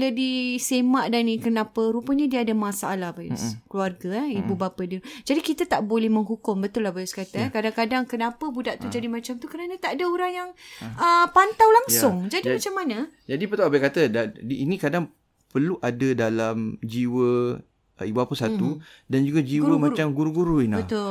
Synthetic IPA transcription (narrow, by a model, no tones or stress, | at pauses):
lədisemaʔdanikənapəɾupəɲadiəːdamasaʔalahbajṵskluarɡaibubapadid͡ʒadikit̪at̪aʔbolɛhməŋɦukʊmbət̪ʊlahbajuskat̪akadaŋkadaŋkənapəbudaʔt̪ud͡ʒadimat͡ʃamt̪ukəɾanat̪aʔadaoɾaŋjaŋəpant̪awlaŋsʊŋd͡ʒadiimat͡ʃamːanad͡ʒadipət̪aabakat̪ədadiinĩkadaŋ | pərluʔadədalamd͡ʒiwə | ibubapəsat̪udand͡ʒuɡad͡ʒiwəmat͡ʃamɡuɾuɡuɾuinabət̪ʊ